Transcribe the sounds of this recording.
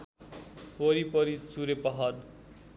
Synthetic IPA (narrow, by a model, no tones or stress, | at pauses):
oɾipʌɾit͡suɾepʌɦʌn